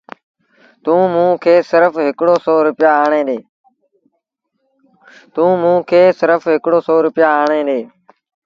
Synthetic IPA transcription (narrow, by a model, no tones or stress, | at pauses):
t̪ũːmũːkʰeːsɪɾəfɦɪkɽoːsɔːɾʊpɪjaːaːɳ̃ẽːɗ̪eː | t̪ũːmũːkʰeːsɪɾəfɦɪkɽoːsɔːɾʊpɪjaːaːɳ̃eːɗ̪eː